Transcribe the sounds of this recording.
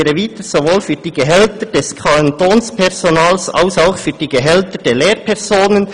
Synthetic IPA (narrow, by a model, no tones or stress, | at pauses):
ɾəviːt̪əz̥ovoːlfyːd̥iːɡəɦɛltəd̥ɛskʰant̪oːnspʰɛʁsonaːlsa̰ʊsaʊxfyːd̥iːɡəɦɛltəd̥eːleːɾpʰɛʁzoːnən